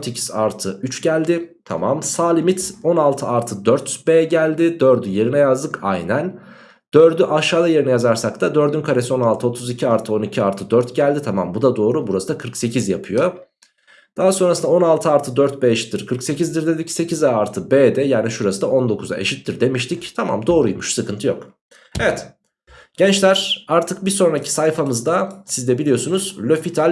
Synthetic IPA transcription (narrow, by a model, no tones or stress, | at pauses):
t̪ʰecʰi̥zaɾt̪ʰɯyt͡ʃɟælʲd̪ɪt̪ʰamamsaːlʲimit̪o̞nalˠt̪ʰɯaɾt̪ʰɯd̪øɾt̪beːɟælʲd̪ɪd̪øɾd̪yje̞ɾinɛjazd̪ɯkʰa̰jnæn | d̪̥øɾd̪yʔaʃaːd̪aje̞ɾinɛjazaɾsakt̪ʰad̪ø̞ɾd̪ynkʰaɾe̞sio̞nalˠt̪ʰɯo̞t̪ʰuzicʰiaɾt̪ʰɯo̞nicʰiaɾt̪ʰɯd̪øɾt̪ɟælʲd̪it̪ʰamambud̪ad̪o̞ːɾubuɾasɯd̪akʰɯɾkse̞cʰizjapʰɯjo̞ | d̪̥aɦaso̞nɾasɯnao̞nalˠt̪ʰɯaɾt̪ʰɯd̪øɾt̪̚bɛeʃi̥t̪ːiɾkʰɯɾkse̞cʰizd̪iɾd̪e̞d̪icse̞cʰizaːɾt̪ʰɯbeːd̪ɛjaːniʃuɾasɯd̪ao̞nd̪o̞kʰuza̰ʔe̞̰ʃit̪ːiɾd̪e̞miʃt̪ʰict̪ʰama̰md̪o̞ːɾujmuʃsɯkʰɯnt̪ʰɯjo̞̰k | evɛt̪ | ɟ̥ɛnt͡ʃlʲæɾ̥aɾt̪ʰɯk̚biso̞nɾacʰi̥sajfamɯzd̪asizd̪ɛbilʲijo̞sunuz̥lʲøfit̪ʰalʲ